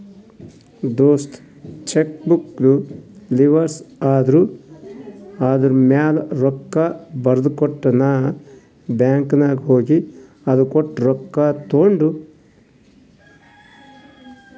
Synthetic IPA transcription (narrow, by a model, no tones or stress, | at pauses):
d̪oːst̪ | t͡ʃekbukluliʋɐɾsaːd̪ɐɾu | aːd̪ɐɾumaːlɾɔkːabɐɾɐd̪ukɔʈːɐna | bjaːŋknaɡɦoːɡi | ɐd̪ukɔʈːɾɔkːat̪oːɳɖu